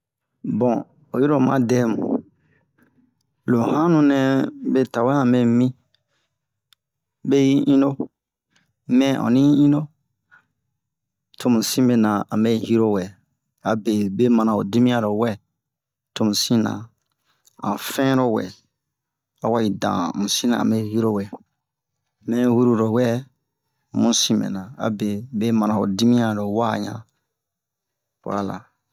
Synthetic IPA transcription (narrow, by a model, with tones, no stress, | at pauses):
bɔ̃˨ | o˨ji˦ɾo˦˨mã̰˦dɛ˦mṵ̃˨ | lo˨hã˦nũ˦nɛ̃˨be˦ta˨wɛ˦ã˨mɛ˨mĩ˦ | be˦ji˦ʔĩ˦no˦ | mɛ̃˦ʔɔ̰̃˨nĩ˦ji˦ĩ˦no˦ | tʰo˨mũ˨sĩ˦be˨nã˨ã̰˨mbe˦hi˦ɾo˦wɛ˨ | a˨be˨be˦mã˨nã˨o˨di˦mĩ˦ã˦ɾo˨wɛ˦ | to˦˨mũ˨sĩ˦nã̰˨ | ã̰˨fɛ̃˦ɾo˦wɛ̰˨ | a˨wa˦i˨dã̰˨mũ˨sĩ˦nã̰˨mbe˦hi˦ɾo˦wɛ˨ | mɛ̃˦wu˦ɾu˦ɾo˨wɛ˦˨ | mũ˦sĩ˦mḛ˨nã˨a̰˨be˨be˦mã˨nã˨o̰˨di˦mĩ˦ã˨ɾo˨wa˦˨ɲã̰˨ | wa̰˦la̰˨